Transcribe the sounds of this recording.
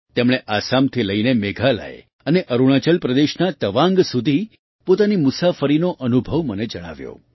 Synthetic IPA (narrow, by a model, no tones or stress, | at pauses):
t̪emɽ̃eʔasamt̪ʰiləinemeɡʱala̰ḛ | əneʔəɾuɽ̃at͡ʃəlpɾəd̪eʃnat̪əʋãŋɡsud̪ʱi | pot̪animʊsafəɾinoʔənubʱəʋməned͡ʒəɽ̃a̰ʋjo̰